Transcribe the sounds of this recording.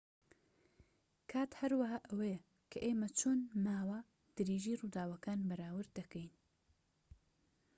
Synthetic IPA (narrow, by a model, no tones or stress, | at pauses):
kʰaːt̪hɐɾwɐɦaːʔɐwej | kʰɐʔeːmɐt͡ʃʰoːnmaːwa | d̪̥ɨɾeːʒiːruːd̪aːwɐkaːnbɐɾaːwɨɾd̪d̪ɐkəjn